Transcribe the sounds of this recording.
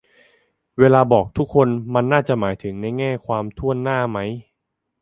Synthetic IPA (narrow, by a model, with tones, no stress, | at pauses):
weː˧laː˧bɔː˨˩k̚t̪ʰu˦˥kʰːo˧nma˧nːaː˥˩t͡ɕa˨˩maː˩˦jt̪ʰɯ˩˦ŋna˧jŋɛː˥˩kʰwaː˧mt̪ʰu˥˩ənːaː˥˩ma˦˥j